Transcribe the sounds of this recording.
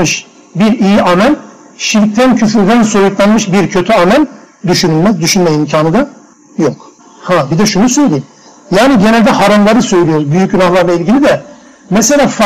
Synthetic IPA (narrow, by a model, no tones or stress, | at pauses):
ɯʃ | biɾijiamælʲ | ʃiɾc̚t̪ʰæncʰyfyɾd̪ænso̞juklˠanmɯʃbiɾcʰø̞t̪ʰyamælʲd̪yʃynylʲmɛzd̪yʃynmɛimcʰaːnɯd̪a | jok | habid̪ɛʃunusø̞jlʲejim | jaːniɟe̞nælʲd̪ɛɦaɾamlˠaɾɯsø̞jlʲijoɾbyjyc̚ɟynaxlˠaɾlˠailʲɟilʲid̪ɛ | meselʲaːf